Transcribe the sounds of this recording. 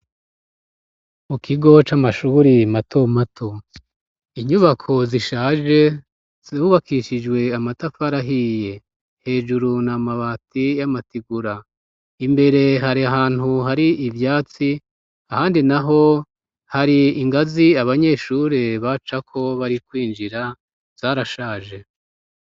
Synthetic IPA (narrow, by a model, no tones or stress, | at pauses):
mukiɡo̞t͡ʃaːmaʃuɾimatʰo̞matʰo | iɲuβakʰo̞ziʃaːʒe̞ | ziβuβakʰiʃid͡ʒwe̞amatafaɾaɦije̞ | he̞ːʒuɾunamaβaːtijamatiɡuɾa | imbe̞ɾe̞ɦaɾiaɦaːn̥huɦaɾiʔivjaːt͡si | ahaːndinaɦo̞ | haɾiiŋɡaziaβaɲe̞ːʃuːɾeβat͡ʃakʰo̞βaɾikwiːnd͡ʒiɾa | z̥aːɾaʃaːʒe̞